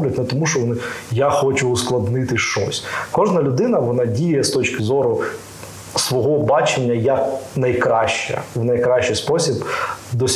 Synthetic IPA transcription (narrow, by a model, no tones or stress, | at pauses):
blʲɐtʲnɛt̪ɔmuʃt͡ʃɔʋɔnɪjaxɔt͡ʃʊːsklˠɐd̪nɪt̪ɪʃt͡ʃɔ̰sʲkɔʒnɐlʲʊd̪ɪnɐʋɔnɑdʲijɛst̪ɔt͡ʃkɪzɔɾʊ | sʋɔɦɔbɑt͡ʃenʲːɐjɐknɐjkɾɑʃt͡ʃɛ̰wnɐjkɾɑʃt͡ʃːɪjspɔsʲibd̪ɔsʲ